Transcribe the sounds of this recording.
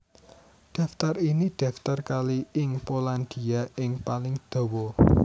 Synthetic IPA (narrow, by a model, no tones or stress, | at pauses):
ɖ̪̥a̤ft̪ariniɖ̪̥a̤ft̪arkaliɪŋpoland̪̥iaɪŋpalɪŋd̪̥o̤wɔ